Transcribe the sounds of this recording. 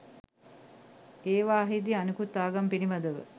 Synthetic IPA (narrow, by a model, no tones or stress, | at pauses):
eːʋaːɦid̪ianukut̪ːaːɡampinimad̪əʋə̰